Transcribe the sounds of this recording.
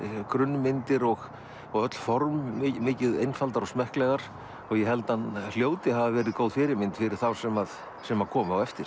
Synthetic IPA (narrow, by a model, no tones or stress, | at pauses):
kɾʏnːmɪnt̪ɪɾɔɣ | ɔɣœt̪l̥fɔɾmmɪːcɪðejnfalt̪aɾɔɣsmɛhklɛɣaɾ̥ | ɔɣjɛhɛlt̪anl̥joːwt̪ɪhavavɛːɾɪðkoːwðfɪɾɪɾmɪnt̪fɪɾɪɾ̥θawsɛmað | sɛmakʰɔːmʏawɛft̪ɪɾ̥